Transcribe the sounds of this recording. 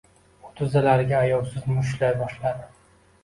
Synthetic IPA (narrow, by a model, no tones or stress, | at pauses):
ʊt̪ʰʊzalaɾɪɡʲaːjɒwsɪzmʊʃ̬lajbɒʃlad̪ɪ